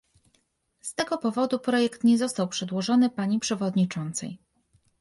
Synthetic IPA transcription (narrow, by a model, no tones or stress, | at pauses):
st̪ɛɡɔpɔvɔd̪upɾɔjɛkt̪ɲɛzɔst̪awpʂɛd̪wɔʐɔnɘpaɲipʂɛvɔd̪ɲit͡ʂɔnt̪sɛ̰j